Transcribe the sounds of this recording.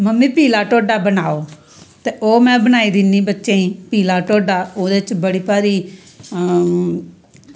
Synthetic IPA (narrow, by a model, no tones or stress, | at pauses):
məmːĩːpiːlaːʈoːɖaːbənaːoː | t̪eːʔoːmɛ̃ːbənaːiːd̪ɪniːbətːʃẽːĩːpiːlaːʈoːɖaːoːd̪eːt͡ʃbəɽiːpaːɾiː